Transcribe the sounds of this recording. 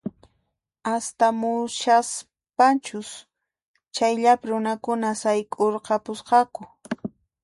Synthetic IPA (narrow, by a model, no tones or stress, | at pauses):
ast̪amʊʃas | pant͡ʃʊs | t͡ʃajʎapɪɾʊnakʊnasajkʼoɾqɑpʊsqɑkʊ